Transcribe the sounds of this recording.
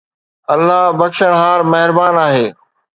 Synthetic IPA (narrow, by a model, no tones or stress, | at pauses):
ɐlːaɦbɐkʃəɽ̃ɦaːɾmɐɦɪɾbaːnaːɦeː